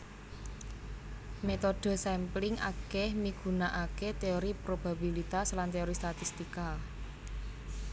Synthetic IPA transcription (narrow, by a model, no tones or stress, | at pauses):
met̪oɖ̥o̤sɛmplɪŋʔa̰kɛhmiɡ̥ṳnaʔaket̪eoɾipɾob̥a̤bilit̪aslant̪eoɾist̪at̪ist̪ika